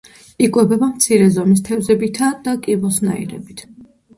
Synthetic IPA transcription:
ikʼwɛbɛbamt̪sʰiɾɛzɔmis̬t̪ʰɛvzɛbit̪ʰad̪̥akʼibɔsna̰ḭɾɛ̰bit̪ʰ

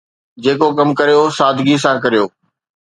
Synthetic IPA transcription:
d͡ʑeːkokɐmkɐɾijosaːd̪ʱɡis̬ãkɐɾijoː

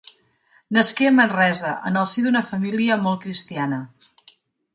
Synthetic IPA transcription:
nəskeəmənrɛzəʔə̰nəlˠsiðunəfəmiliəmɔlˠt̚kɾist̪ianə

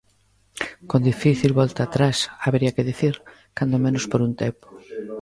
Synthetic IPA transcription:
kõnd̪ifiθilβɔlt̪aːt̪ɾasaβeɾiɐkɪðiθiɾ | kand̪omẽnʊspoɾunt̪epo̥

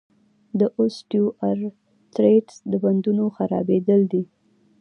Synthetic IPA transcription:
d̪əʔosʈjuʔaɾ | t̪ɾeɖsd̪əband̪unoxaɾɑ̰bed̪əld̪i

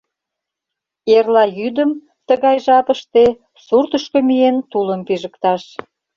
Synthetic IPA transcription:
erlɑjyd̪əm | t̪əɣɑjʒɑpəʃt̪e | surt̪əʃkomient̪uləmpiʒəkt̪ɑʃ

